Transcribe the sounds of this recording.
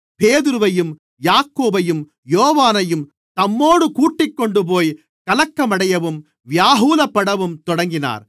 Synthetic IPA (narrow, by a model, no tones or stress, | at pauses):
peːðɯɾɯʋɐjɯm | jaːkːoːbɐjɯm | joːʋaːnɐjɯm | t̪ɐmːoːɽɯkuːʈːɪkːɔɳɖɯp̬oːj | kɐlɐkːɐmɐɽɐjɐʋɯm | ʋjaːɦuːlɐpːɐɽɐʋɯmt̪ɔɽɐŋɡɪna̰ːɾ